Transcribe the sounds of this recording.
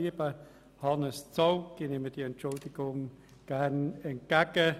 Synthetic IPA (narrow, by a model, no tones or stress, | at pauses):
iəbə | hɑnəst͡sɔwɡ̥ɪneməd̥iɛnt͡ʃʊldɪɡʊŋ | ɡ̥ærnɛnt̚ɡ̥aɡ̥ə